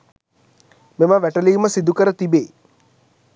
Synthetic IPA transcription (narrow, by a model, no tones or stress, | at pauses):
meməʋæʈəliːməsid̪ukəɾət̪ibeː